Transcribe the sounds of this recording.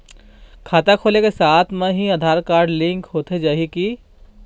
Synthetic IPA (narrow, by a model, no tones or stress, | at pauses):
kʰaːt̪akʰoːlekesaːt̪ʰmẽɦiɐd̪ʱaːɾkaːɾɖlɪ̃ŋkɦoːt̪ed͡ʒaːɦiki